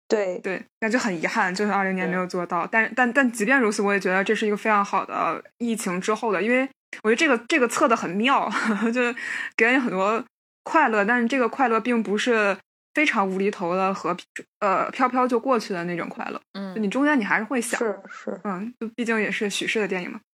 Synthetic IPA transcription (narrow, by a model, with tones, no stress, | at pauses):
t̪we˥˩ɪt̪we˥˩ɪ˥˧˩t͡ɕjo˥˩xə˨˩ni˧˥xa˥˩nt͡ɕjo˥˧ʊʂli˧˥ŋjɛ˧˥nme˧˥ɪjo˨˩ʊt͡swɔ˥˧t̪ɑ˥˩ʊt̪a˥˧n˥˧t̪a˥˧nt̪a˥˩nt͡ɕi˧˥pjɛ˥˩nɻu˧˥t͡sʰɹ̩˧˥wɔ˥jɛ˨˩t͡ɕɥɛ˧˥d̪ə˧ʈ͡ʂɤ˥˧ʂɻ̩˥˩i˧˥ɡə˧fe˥ɪʈ͡ʂʰɑ˧˥ŋxɑ˨˩ʊd̪ə̰˦i˥˩t͡ɕʰi˧˥ŋʈ͡ʂɻ̩˥xo˥˩ʊd̪ə˩i˥nwe˥˩ɪ | wt͡ɕə˧ʈ͡ʂɤ˥˩ɡə˩ʈ͡ʂɤ˥˩ɡə˩t͡sʰɤ˥˩d̪ə˩xə˨˩nmjɑ˥˩ʊt͡ɕjo˥˧ʊke˧˥lni˧˥xə˨˩nt̪wɔ˥ | kʰwa˥˧ɪlɤ˥˧t̪a˥˧nʂɻ̩˥˧ʈ͡ʂɤ˥˩ɡə˩kʰwa˥˧ɪlɤ˥˧pi˥˩ŋpu˧˥ʂɻ̩˥˩ | fe˥ɪʈ͡ʂʰɑ˧˥ŋu˧˥li˧˥t̪ʰo˧˥ʊlə˧xɤ˧˥pʰə˧pʰjɑ˥ʊpʰjɑ˥ʊt͡ɕjo˥˧ʊkwɔ˥˧t͡ɕʰy˥˩lə˩n˥˩ʈ͡ʂʊ˨˩ŋkʰwa̰˥˧ɪlɤ̰˥˩t͡ɕt͡ɕn˨˩ʈ͡ʂʊ˥ŋt͡ɕjɛ˥ni˨˩a˧˥ɪʂɻ̩˥˧xwe˥˩ɪɕjɑ̰˨˦˥n̩˥˩t͡ɕjo˥˧ʊpi˥˧t͡ɕi˥˩ŋjɛ˨˩ʂɻ̩˥˩ɕy˨˩ʂɻ̩˥˩d̪ə˩t̪jɛ˥˩nḭ˨˩ŋmɐ˩˦